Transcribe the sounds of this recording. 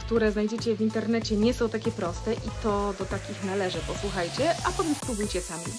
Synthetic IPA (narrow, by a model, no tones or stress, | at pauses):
kt̪uɾɛznajd͡ʑɛt͡ɕɛvʲint̪ɛɾnɛt͡ɕɛɲɛsɔw̃t̪akʲɛpɾɔst̪ɛʔit̪ɔd̪ɔt̪akʲixnalɛʐɘpɔswuxajt͡ɕɛapɔt̪ɛmspɾubujt͡ɕɛsamʲi